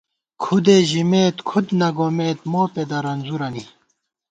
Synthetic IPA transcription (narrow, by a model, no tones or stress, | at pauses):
kʰud̪eʑimeːt̪kʰud̪nɐɡomeːt̪moːped̪ɐɾɐnzuɾɐni